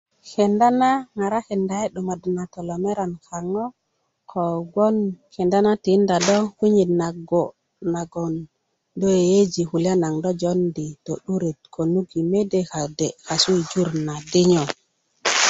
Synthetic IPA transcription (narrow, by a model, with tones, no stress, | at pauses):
ke˨nda˦na˦ŋa˨ɾa˦ki˨nda˨e˦ɗo˨ma˨dna˨to˨lo˨me˦ɾa˨nka˨ŋo˦ | kʰo˨ɡo˦nke˨nda˦na˦ti˨˦nda˨do˦ku˦ɲi˨dna˨ɡo˨ | na˨ɡo˨n | do˦e˨je˦d͡ʒi˨hu˨lja˦na˨ŋdo˦d͡ʒo˦ndi˨to˨ɗu˦ɾe˨t̪̚kʰo˨nu˦ɡi˨me˦de˨ka˨de˨ka˨su˦i˨d͡ʒu˦ɾna˨di˦ɲo˨